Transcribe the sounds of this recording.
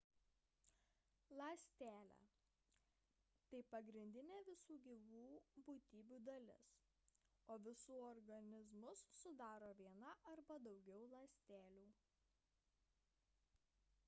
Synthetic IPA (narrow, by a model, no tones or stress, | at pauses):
lˠɐsʲt̪ʲæːlʲæ̰ː | t̪ɐɪpɐɡɾʲɪnʲd̪ʲɪnʲeːʋʲɪsuːɡʲiːʋuːbuːt̪ʲiːbʲuːd̪ɐlʲɪ̰s | oːʋʲɪsuːɔɾɡɐnʲɪzmʊsːʊd̪ɑːɾoːʋʲiɛnɐʔɐɾbɐd̪ɒʊɡʲɛʊlˠɐːsʲt̪ʲæːlʲuː